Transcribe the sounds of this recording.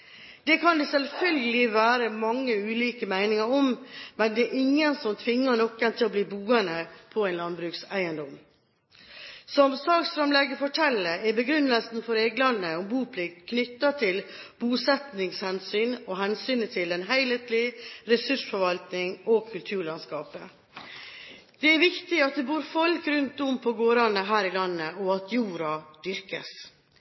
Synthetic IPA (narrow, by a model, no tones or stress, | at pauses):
d̪̥ɛkʰɑnd̪ɛsɛlfœlɡəlɪʋæːɾəmɑŋːəʉːliːkəmæɪnɪŋɑɾɔmmɛnd̪ɛæɾʔɪŋːənsɔmt̪ʰʋɪŋːəɳɔkːənt̪ʰɪlɔbliːbuːənəpʰɔæɪnlɑnbɾʉːksæɪənd̪ɔm | sɔmsɑːɡsfɾɑmlɛɡəfɔʈʰɛlːəɾɛɾbəɡɾʏnːəlsn̩fɔɾeːɡlɑnːəɔmbuːpʰlɪkt̪kʰnʏt̪ːɑt̪ʰɪlb̥uːsɛt̪nɪŋshɛnsyːnɔɦɛnsyːnət̪ʰɪlɛnɦæɪleːt̪lɪɾɛsʉʂfɔɾʋɑlt̪nɪŋɔkʰʉlt̪ʰʉːɭɑnskɑːpə | d̪̥ɛæɾʋɪkt̪ɪɑt̪̚d̪ɛbuːɾfɔlkɾʉnt̪̚d̪ʊmpʰɔɡoːɾɑnəɦæːɾɪlɑnːəɔɑt̪juːɾɑd̪̥ʏɾkə̰s